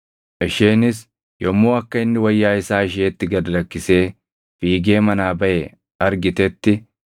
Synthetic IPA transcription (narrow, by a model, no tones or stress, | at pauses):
ʔɪʃeːnɪs | jɔmːoːɐkːɐɪnːɪwɐjːaːɪsaːɪʃ̬eːt̪ːɪɡɐd̪ɐlɐkːɪse̞ː | fiːɡe̞ːmɐnaːbɐʔɛ | ɐɾɡɪt̪ɛt̪ːɪ